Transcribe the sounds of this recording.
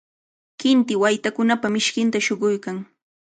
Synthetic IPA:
kɪnt̪ɪwajt̪akʊnapamɪʃkɪnt̪aʃoɢʊjkaŋ

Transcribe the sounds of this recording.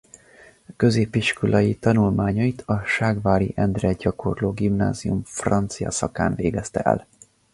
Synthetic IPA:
kø̞zeːpiʃkolʔɒjit̪ɒnulmaːɲɒit̪ʰɒʃaːɡvaːɾḭʔɛnd̪rɛɟɒkʰo̞̰rloːɡimna̰ːzijumfrɒnt̪sijɒ̰sɒkaːnveːɡɛst̪ɛ̰ɛ̰l

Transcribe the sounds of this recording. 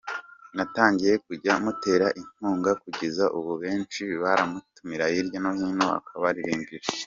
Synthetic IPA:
nataːɲɟije̞k̚uɟamute̞ːɾaʔin̥huːŋɡakuɟezaʔuβuβe̞ːnt͡ʃiβaɾamutumiɾaiɾjonahinoa̰kʰaβaɾiɾiːmbiɾ

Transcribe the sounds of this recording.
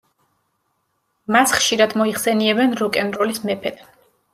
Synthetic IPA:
masχʃiɾad̪mɔiχsɛniɛbɛnɾɔkʼɛnɾɔlismɛpʰɛt̪ʰ

